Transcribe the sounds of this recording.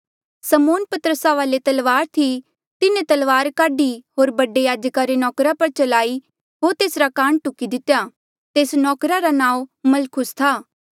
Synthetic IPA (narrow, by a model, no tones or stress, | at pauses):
səmoːnpɐt̪əɾəsaʋaːlet̪ɐlʋaːɾt̪ʰi | t̪ɪnẽt̪ɐlʋaːɾkaːɖiɦoːɾbɐɖejaːd͡ʒkaɾenɔːkɾapɐɾt͡ʃɐlaːi | ɦoːɾt̪eːsɾakãːɳʈʊkːid̪ɪt̪ːeja | t̪eːsnɔːkɾaɾanãːũmɐlkʰʊst̪ʰaː